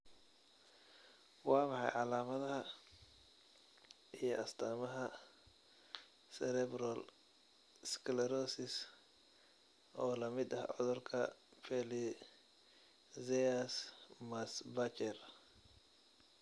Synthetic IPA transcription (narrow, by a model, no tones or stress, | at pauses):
wɑːmɑħɑ̰jʕɑlaːmɐðɐɦɐ | ijɔʔɐst̪ʰaːmɐɦɐ | sɛɾɛbɾɐl | skʰlɛɾɔsɪs | ʔɔːlɐmɪd̪ɐhʕɔ̰ðʊrkʰɐpʰɛli | zɛɐsmɐsbɐt͡ʃɛr